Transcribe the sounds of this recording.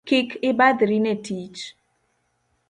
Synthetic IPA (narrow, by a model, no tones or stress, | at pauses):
kikɪbad̪ɾinetʰit͡ʃ